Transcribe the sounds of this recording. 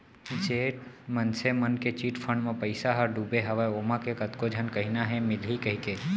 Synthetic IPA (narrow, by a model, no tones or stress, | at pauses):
id͡ʒeːʈmənsemənket͡ʃiːʈpʰəɳmẽpəɪsaɦəɾɖuːbeɦəʋaoːmãkekət̪kod͡ʒʱənkəɦinaɦɛmɪlɦikəɦike